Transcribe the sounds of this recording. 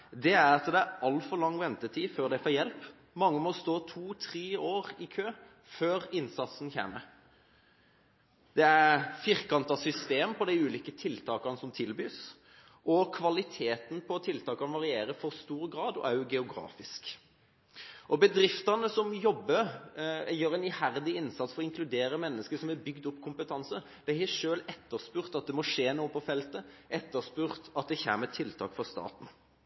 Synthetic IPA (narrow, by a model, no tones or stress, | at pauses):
d̪ɛæɾɑt̪d̪ɛæɾɑlfɔɾlɑŋːʋɛnt̪ət̪ʰiːføːɾd̪æɪfoːjɛlp | mɑŋːəmɔst̪oːt̪ʰuːt̪ʰɾeːoːɾɪkʰøː | føːɾɪnsɑt̪sn̩çḛːmə | d̪̥ɛæfɪɾkɑnt̪ɑsʏst̪eːmpʰɔd̪æɪʉːliːkət̪ʰɪlt̪ʰɑːkɑnəsɔmt̪ʰɪlbyːs | ʔɔkʰʋɑlɪt̪ʰeːt̪n̩pʰɔt̪ʰɪlt̪ʰɑːkɑnəʋɑʁɪeːɾəfɔʁst̪uːɾɡɾɑːd̪ɔ̰æɾjʊɡɛʊɡɾɑ̰ːfɪsk | ʔɔbəd̪ɾɪft̪ɑnəsɔmjɔbːəɾ | jøːɾɛɪnɪhæʁd̪ɪɪnsɑt̪sfɔɾɔɪŋkʰlʉd̪eːɾəmɛnːəskəsɔmɛbʏɡd̪ɔpːkʰʊmpət̪ʰɑnsə | d̪̥æɪhɛʂøːlɛt̪ːəʁspʉːʁt̪ɑt̪̚d̪ɛmɔʂeːnuːəpʰɔfɛlt̪əʔɛt̪ːəʁspʉːʁt̪ɑt̪̚d̪ɛçæ̰ːmət̪ʰɪlt̪ʰɑ̰ːkfɔʁst̪ɑ̰ːt̪n̩